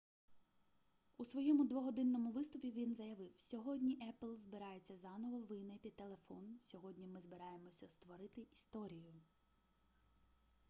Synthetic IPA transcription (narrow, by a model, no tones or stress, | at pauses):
usʋɔjɛmʊd̪ʋɔɦɔd̪ɪnːɔmʊʋɪst̪ɔpʲiʋʲinzɐjɐʋɪwsʲɔɦɔdʲnʲiʔɛplˠzbɪɾɑjet͡sʲːɐzɑnɔʋɔʋɪnɐjt̪ɪt̪e̞lˠe̞fɔnsʲɔɦɔdʲnʲimɪzbɪɾɑje̞mɔsʲɐst̪ʋɔɾɪt̪ɪʔist̪ɔɾʲijʊ